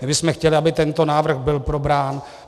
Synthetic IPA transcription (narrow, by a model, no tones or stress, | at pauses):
mɪbɪsmɛxcɛlɪʔabɪt̪ɛnt̪o̞naːvr̩ɣbɪlpɾo̞bɾaːn